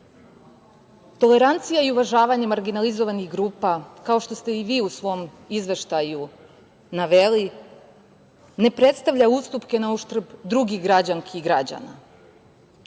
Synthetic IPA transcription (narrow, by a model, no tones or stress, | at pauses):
t̪o̞le̞ɾant̪sijaiuʋaʒaːʋaɲemaɾɡinalizo̞ʋaniɣɡɾuːpakao̞ʃt̪o̞st̪e̞iʋiːusʋo̞m | izʋe̞ʃt̪aju | naʋeli | ne̞pɾe̞t̪st̪aʋʎaust̪upke̞nauʃt̪r̩bd̪ɾuɡiɣɡɾad͡ʑaŋkʰiɡɾad͡ʑa̰na̰